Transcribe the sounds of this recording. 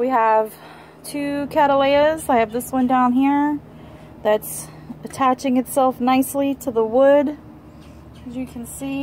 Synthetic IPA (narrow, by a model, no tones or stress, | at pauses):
wiəv̥ | tʰʉkʰæɾəleɪɨzaɪɨvðɪswʌ̃ndãʊ̃nɦiɹ | ðɨts | ɨtʰæt͡ʃɪ̃ŋɨtsɛlˠfnaɪsliɾəðəwʊd | kʰʌzjɨkʰn̩si